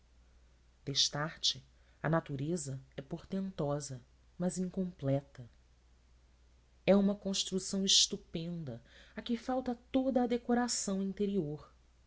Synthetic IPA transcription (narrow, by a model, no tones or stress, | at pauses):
d̪̥eʃt̪aɾt͡ʃɪ | ɐnat̪uɾezɐɛpoɾt̪ẽnt̪ɔzɐ | mɐzĩŋkõmplɛt̪ɐ | ɛũmɐkõʃt̪ɾusɐ̃w̃ɪʃt̪upẽnd̪ɐakɪfawt̪ɐt̪od̪ɐːd̪ekoɾasɐ̃w̃ĩnt̪eɾioɾ